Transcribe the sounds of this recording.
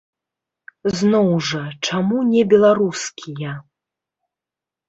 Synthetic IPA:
znɔwʐɐt͡ʂamunʲɛbʲɛlˠaɾuskʲʰijɐ

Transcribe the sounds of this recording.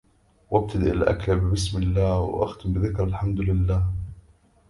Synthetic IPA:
wʔab̚t̪ad̪iʔɪlʔa̰klabbɪsmɪlːaːhwɪ̰ʔa̰xt̪ʊmbɪðɪkɾˤalħamd̪ʊlɪlːaːh

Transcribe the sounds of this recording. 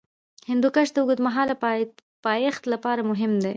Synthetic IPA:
hɪnd̪ukaʃd̪əʊɡud̪maɦɑla | pɑjext̪lapɑɾamʊɦɪmd̪e

